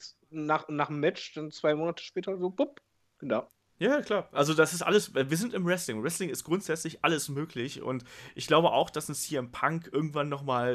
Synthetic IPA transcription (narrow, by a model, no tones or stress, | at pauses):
naːχnaːχmːɛt͡ʃd̥ant͡sv̥aɪmoːnatʰə̥ʃpɛːtʰɐzoːbʊp̚ | ɡ̥ənaʊ | jaːkʰl̥aːɐʔalzodasɪstʔa̰ləsɛviːɐzɪntɪmʁɛslɪŋʁɛslɪŋɪstɡ̥ʁʊntz̥ɛt͡slɪçʔaləsmøːklɪçʊ̰ntʔɪçɡ̥laʊbəʔa̰ʊxd̥asʊnshiːɐɪmpʰaŋkʔɪɐɡŋ̩tv̥anːɔχmaːl